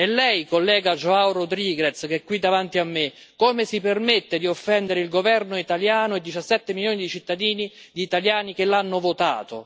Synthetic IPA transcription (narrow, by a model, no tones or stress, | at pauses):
ɛlːɛjkolːɛːɡad͡ʒoawrod̪ɾiːɡɾet̪skeɛkːwid̪ːavant̪iamːe | koːmesipermet̪ːed̪iofːɛnd̪eɾeilɡovɛrnoit̪aljaːnʊed̪ːit͡ʃasːɛt̪ːemiljoːnid̪it͡ʃit̪ːad̪iːni | d̪iːt̪aljaːnikelːanːʊvot̪a̰ːt̪o̰